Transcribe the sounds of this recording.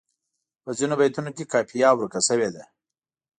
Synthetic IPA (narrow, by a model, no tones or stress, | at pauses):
pəzinobajt̪unokekɑpʰijɑwɾukasəwed̪a